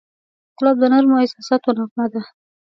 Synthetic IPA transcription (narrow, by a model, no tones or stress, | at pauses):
t̪ɪlɑb̚d̪ənaɾmoɪsasat̪onɑqnad̪a